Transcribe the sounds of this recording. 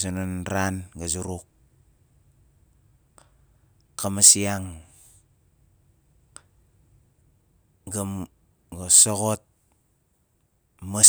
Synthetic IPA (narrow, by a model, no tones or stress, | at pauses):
sononɾanɡazuɾuk̚ | kamasiaŋ | ɡam | ɡosoɣot̚ | ma